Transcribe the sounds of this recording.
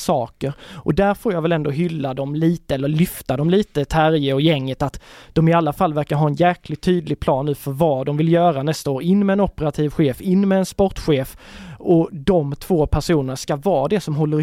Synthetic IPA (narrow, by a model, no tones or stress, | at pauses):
sɑːkəɾʔɔd̪æɾfoːɾjavɛlɛnd̪oɦʏlːad̪ɔmliːt̪əɛlːəɾlʏft̪ad̪ɔmliːt̪ət̪ʰæɾjəɔjɛŋːət̪at̪d̪̥ɔmɪalːafalːvæɾkaɾɦɑːɛnjæɾklɪɡt̪ʰːyːd̪lɪɡ̚pʰlɑːnːʉ̟ːfœɾvɑːd̪ɔmvɪljœːɾanɛst̪aoːɾɪnːmɛɛnɔpːəɾat̪ʰiːvɧeːfɪnːmɛɛnspɔʈːɧeːfɔd̪ɔmt̪ʰv̥oːpʰæʂuːnənaʂkavɑːd̪ɛsɔmɦɔlːəɾ